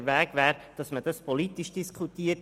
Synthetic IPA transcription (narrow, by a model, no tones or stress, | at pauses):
ʋæːɡʋæːɾd̥ɑsməd̥ɑspɔlitːiʃd̥iskʰχutiːət